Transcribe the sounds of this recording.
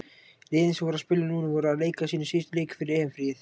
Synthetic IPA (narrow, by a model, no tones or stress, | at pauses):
lɪːðɪnsvoːɾaspɪlːɪnuːnɪvɔːɾaleːjkasiːnəsist̪ʏleːjkfɪɾɪɾeːɛnfɾiːɪθ